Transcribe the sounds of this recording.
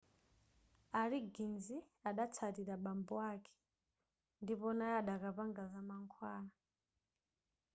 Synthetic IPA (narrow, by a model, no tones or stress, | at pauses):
aɾiɡinzi | aɗat͡sʰatiɾaɓambɔwakʰɛ̥ | ndipɔnaaɗakapaŋɡazamaŋkʰwaːna